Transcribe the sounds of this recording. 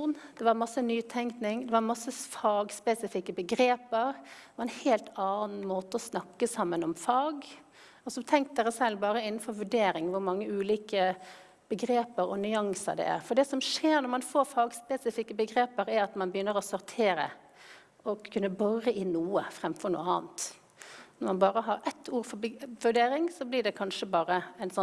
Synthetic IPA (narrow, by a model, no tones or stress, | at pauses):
nd̪̥ɛʋɑɾmɑsːənyːt̪ʰɛŋknɪŋd̪ɛʋɑɾmɑsːəfɑːɡspɛsɪfɪkːəbəɡɾeːpəɾʋɑɾɛnheːlt̪ɑːnn̩moːt̪əɔsnɑkːəsɑmːənɔmfɑːɡ | ɔsɔt̪ʰɛŋkt̪̚d̪ɛːɾəsɛlːbɑːɾəɪnn̩fɔɾʋʉɖeːɾɪŋʋʊɾmɑŋːəʉːliːkə | b̥əɡɾeːpəɾɔ̰nʏɑŋsə̰ɖ̪ɛ̰æ̰ɾfɔɖ̪ɛsɔmʂeːɾnɔɾmɑnfoːɾfɑːɡspɛsɪfɪkːəbəɡɾeːpəɾæɾɑt̪mɑnbəjʏnːəɾɔsɔɾt̪ʰeːɾə̰ | ɔkʰːʉnːəbɔɾəʔɪnuːəfɾɛmfɔɾɳṵːəɑːnt̪ | nɔmɑnbɑːɾəɦɑɾɛt̪ʰːuːɾfɔbʋʉɖeːɾɪŋsɔblɪɖɛkʰɑnʂəbɑːɾəæɪnsɔ